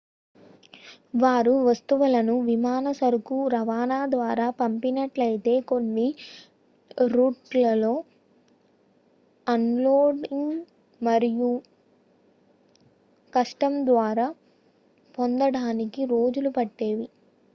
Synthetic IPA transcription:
ʋaːɾuʋɐst̪uʋɐlɐnuʋimaːnɐsɐɾukuɾɐʋaːnaːd̪ʋaːɾaːpɐmpinɐʈlɐjit̪e̞ːko̞nːi | ɾuːʈlɐlo̞ː | ɐnloːɖiŋ | mɐɾiju | kɐʂʈɐmd̪ʋaːɾaː | po̞nd̪ɐɽaːnikiɾo̞ːd͡ʒulupɐʈːe̞ːʋi

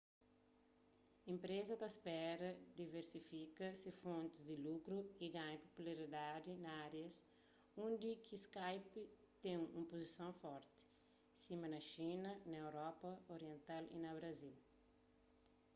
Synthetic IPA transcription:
ĩmpɾezɐd̪ɐspɛɾɐd̪iveɾsifikɐsifõnt̪ɪzd̪ilukɾuiɡãɲpo̥pulaɾid̪ad̪inɐaɾjɐs | ũnd̪ikʰiskajpi | t̪ẽŋṵ̃mpozisõw̃fɔɾt̪ɪ̥ | sĩmɐnɐʃĩnɐnɐewɾɔpɐoɾiẽnt̪alḭnɐβɾɐzil

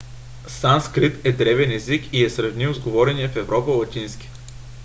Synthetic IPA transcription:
sanskɾit̪ɛd̪ɾɛvɛnɛzikiɛsɾɐvniwzɡovɔɾɛniɛfɛvɾɔpəlˠɐt̪ʲinskʲi̥

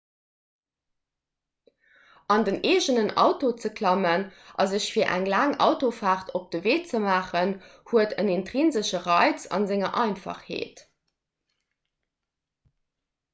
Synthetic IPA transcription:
ʔɑndəneːʑənənʔɑ̰ʊtot͡səkʰlɑmənʔɑzəɕfiːɐʔæ̰ŋlaːŋɑ̰ʊtofaːχtʰop̚d̥əveːt͡səmaːχənhuətənentʁinzəɕəʁɑɪt͡sɑ̰nzɪŋɐʔɑɪnfɑ̰χhḛːt

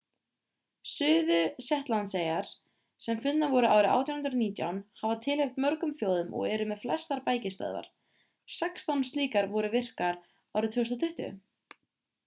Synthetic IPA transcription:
sʏːðʏsɛht̪lant̪sejaɾ̥ | sɛmfʏnːavɔɾʏa̰ːwɾɪʔa̰wt̪jawhnɾniːt̪ja̰wnhavat̪ʰɪlɛɣt̪mœɾkʏmfjoːwðʏmʔɔ̰ɣɛɾʏmɛðflɛst̪aɾpaːjcɪst̪œ̰ðva̰ɾ̥ | sɛkst̪awnst̪liːkaɾvɔɾʏvɪr̥kaɾ | awɾɪʏt̪ʰʏːst̪at̪ʰʏht̪ʏ̰ʏ̰

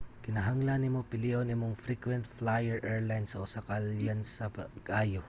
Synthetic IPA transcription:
kɪnɐɦaŋlanɪmopɪliʔonimoŋfɾikwɛnt̪flajɛɹʔɛɹlajnsɐʔʊsakaljansɐpɐɡʔajo

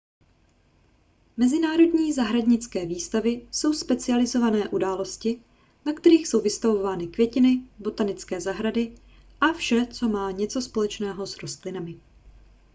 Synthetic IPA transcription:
mɛzɪnaːɾo̞dɲiːzaɦɾadɲɪt͡skɛːviːst̪avɪso̞wspɛt͡sɪalɪzo̞vanɛːʔudaːlo̞scɪ | nakt̪ɛɾiːxso̞wvɪst̪avo̞vaːnɪkvjɛcɪnɪbo̞t̪anɪt͡skɛːzaɦɾadɪ | ʔafʃɛt͡so̞maːɲɛt͡so̞spo̞lɛt͡ʃnɛːɦo̞sɾo̞st̪lɪnamɪ

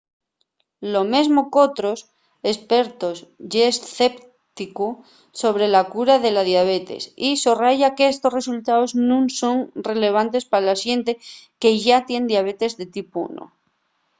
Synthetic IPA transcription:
lo̞me̞zmo̞ko̞t̪ɾo̞s | e̞spe̞ɾt̪o̞zʝesθe̞p | t̪iku | so̞βɾe̞lakuɾaðe̞laðjaβ̞e̞t̪e̞̰sisoraʝakeest̪o̞sre̞sult̪aoznũŋso̞ŋre̞le̞β̞ant̪e̞spaɾalasje̞nt̪e̞ke̞ʝat̪je̞nd̪jaβ̞e̞t̪e̞zðe̞t̪ipṵno̰

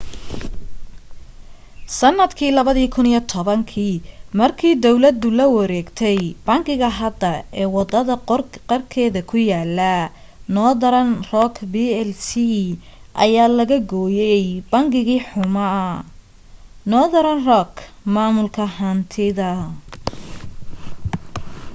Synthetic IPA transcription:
sɐnːɐd̪kʰiːlɐβɐðiːkʰʊnijɔt̪ʰɔβɐŋkʰiːmɐrkʰiːd̪ɔwlɐd̪ʊlɐwɐɾɛːɡt̪ʰɛjbɐŋɡɪɣɐɦɐd̪ɐɛːwɑd̪ɐðɐrqɐrkʰɛːðɐkʰʊjaːlːɐ | nɔːd̪ɐɾɐnrɔkʰbiːɛlsi | ʔɐ̰jaːlɐɣɐɡɔːjɛjbɐŋɡɪɣiːħʊmɐ | nɔːd̪ɐɾɐnrɔkʰ | maːmʊlkʰɐɦɐnt̪ʰɪðɐ

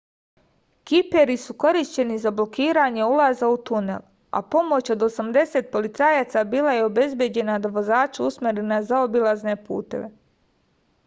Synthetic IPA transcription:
kipeɾisuko̞ɾiʃt͡ɕe̞nizablokiːɾaɲe̞ulˠazaut̪une̞̰l | a̰po̞mo̞t͡ɕo̞d̪o̞samd̪e̞se̞t̪̚po̞lit̪saːjaːt̪sabiːlajeo̞be̞zbje̞d͡ʑe̞nad̪aʋo̞zaːt͡ʃausmeɾenazao̞bilˠazne̞pṵːt̪e̞̰ʋe

